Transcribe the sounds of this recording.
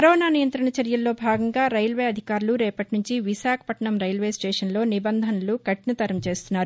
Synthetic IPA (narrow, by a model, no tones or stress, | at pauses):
kɐɾɔːnaːnijɐnt̪ɾɐɳɐt͡ʃɐɾjɐlːo̞ːbʱaːɡɐŋɡaːɾɐjlʋeːɐd̪ʱikaːɾuluɾɛːpɐʈinuɲt͡ʃiʋiʃaːkʰɐ̥pɐʈɐɳɐmɾɐjlʋe̞ːsʈeːʂɐnlo̞ːnibɐnd̪ʱɐnɐlukɐʈinɐt̪ɐɾɐmt͡ʃe̞ːst̪unːaːɾu